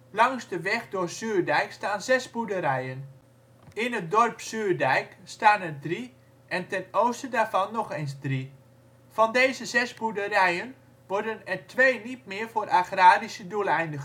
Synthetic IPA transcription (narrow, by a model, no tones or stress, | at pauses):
lɑŋzdəʋɛχdʊːrsøːrdɛjkstaːnzɛsbudəɾɛjən | ɪnət̚dɔrpsøːrdɛjkstaːnɛrdri | ʔɛntɛnowstədaːɹvɑnːɔχenzdri | fɑndejzəzɛsbudərɛjən | ʋɔɹdənɛrtʰʋeːnit̚mɪːrvoːɾʔaxraːrisədulˠɛjndəɣə